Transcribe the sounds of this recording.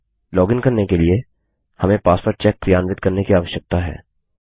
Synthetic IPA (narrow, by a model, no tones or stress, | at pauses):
lɔːɡɪ̃ŋkɐɾnekelie | hɐmẽpaːspəɾt͡ʃɛːk̚ːɾijaːnʋɪd̪̚kɐɾnekiaːʋəʃjək̚t̪aɦɛ̰ː